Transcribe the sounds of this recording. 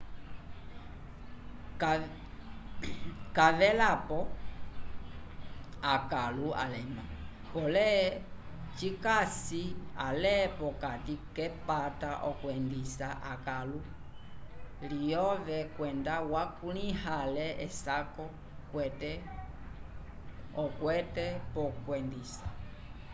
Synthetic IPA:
kavɛlapɔ | akalua̰lɛma | pɔlɛ | t͡ʃikasia̰lɛpɔkatikɛpataʔɔkwɛndisaʔakalu | lijɔvɛkwɛndawakulihalɛɛsakɔ | kwɛtɛ | ɔkwɛtɛpɔkwɛndisa

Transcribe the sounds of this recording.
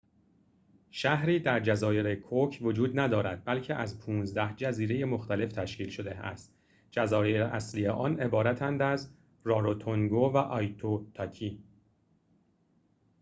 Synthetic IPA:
ʃæhɾiːd̪æɾd͡ʒæzɒːje̞ɾekʰocʰvod͡ʒuːd̪næd̪ɒːɾæd̪̥̚bælcʰe̞ʔæzpʰuːnzd̪æhd͡ʒæziːɾe̞je̞mo̞xt̪æle̞ft̪ʰæʃciːlʃod̪e̞æ̰st̪ | d͡ʒæzɒːjeɾeʔæslijeʔɒːne̞bɒːɾæt̪ʰænd̪æz | ɾɒːɾot̪ʰoŋɡovæʔɒːjt̪ʰot̪ʰɒcʰiː

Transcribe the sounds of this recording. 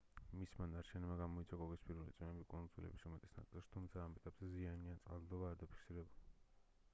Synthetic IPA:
mismanaɾt͡ʃʰɛnɛmaɡamɔit̪sʰwakʼɔkʼispʰʼiɾulit̪sʼimɛbikʼund̪zulɛ̰bisɾumɛt̪ʼi̥sna̰t̪sʼilˠʃt̪ʰumt̪sʰaːmɛt̪ʼapzɛzianiant̪sʼa̰ld̪ɔbaːɾd̪apʰi̥kʰsiɾɛbuli

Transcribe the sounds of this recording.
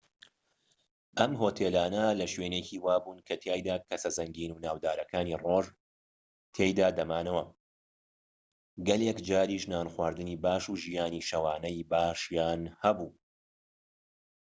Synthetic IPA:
ʔɐmɦoːt̪ʰelaːnɐlɐʃweːneciːwaːbuːnkʰɐt̪ʰjaːjd̪aːkʰɐsɐzɐŋɡiːnunaːwd̪aːɾɐkʰaːniːroʒ | t̪ʰeːjd̪aːd̪ɐmaːnɐwɐ | ɡɐlekd͡ʒaːɾiːʃnaːnxwaːɾd̪ɨniːbaːʃuʒijaːniːʃɐwaːnɐjbaːʃjaːnhɐbuː

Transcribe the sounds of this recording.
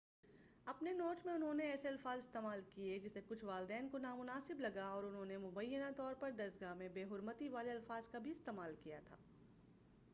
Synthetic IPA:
ɐpnenoːʈmẽʊnɦõneɛːseɐlfaːzɪst̪eːmaːlkied͡ʒɪsekʊt͡ʃʰʋaːld̪ɛːnkonaːmʊnaːsɪblɐɡaɔːɾʊnɦõːnemʊbəjːənat̪ɔːɾpɐɾd̪ɐɾzɡamẽbeːɦʊɾmət̪iʋaːleɐlfaːzkabʱiɪst̪eːmaːlkijat̪ʰa̰ː

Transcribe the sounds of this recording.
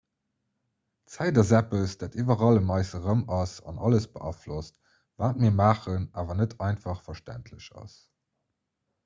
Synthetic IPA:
t͡sæɪdɐzæpəsd̥aːtivɐʁɑləmɑɪsəʁəmɑsɑ̰nɑləsb̥əʔɑflost | vaːt̚miːɐmaːχənaːvɐnətʰɑɪnfɑχfɐʃtæ̰ntʰləɕɑ̰s

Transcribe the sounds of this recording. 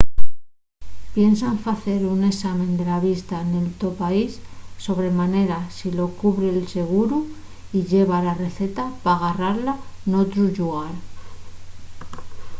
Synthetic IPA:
pje̞nsaɱfaθe̞ɾune̞samẽ̞nd̪e̞laβist̪ane̞lt̪o̞paisːo̞βɾe̞mane̞ɾasilo̞kuβɾe̞lse̞ɣ̞uɾu | iʎe̞β̞alare̞θe̞t̪apaːɣaraɾlano̞t̪ɾuʝuɣaɾ

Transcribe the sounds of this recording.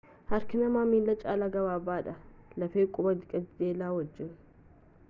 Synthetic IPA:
hɐɾkɪnɐmamilːɐt͡ʃʼaːlaɡɐβaːbaːd̪ɐlɐfeːkʼʊbɐd̪ɪkʼɐtd̪eːlaːwɔd͡ʒːɪn

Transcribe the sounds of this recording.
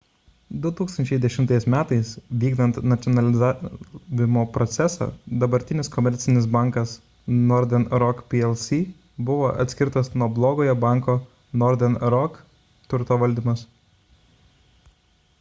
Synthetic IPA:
d̪ʊt̪uːkst̪ɐnʲt͡ʃʲɛɪd̪ʲɛʃʲɪmt̪ɐɪsmʲæːt̪ɐɪsʋʲiːɡnɐnt̪nɐt̪sʲɔnɐlʲɪzaːʋʲɪmoːpɾɔt̪sʲɛsɐ̰ːd̪ɐbɐɾʲt̪ʲɪnʲɪskɔmʲɛɾʲt̪sʲɪnʲɪs̬bɑˑŋkɐs | nɔɾʲd̪ʲɛnɾɔkpʲiɛlˠsʲiː | bʊʋoːʔɐ̰t̪ʲsʲkʲɪɾt̪ɐsnuɔblˠoːɡoːjɛbɑˑŋkoː | nɔɾʲd̪ʲɛnɾɔk | t̪ʲʊɾt̪oːʋɐlʲd̪ʲɪmɐs

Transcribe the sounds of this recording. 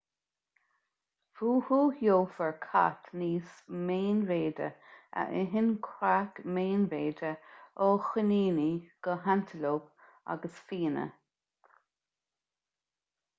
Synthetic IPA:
fuːhuːhjoːfəɹkʰa̰t̪niːsmeːnɾeːdə̰ə̰ʔɪɦɪnkʰwakmeːnveːdəoːxɪniːniɡ̥əɦant̪ʰəloːp | a̰ɡəsfiːnə̰

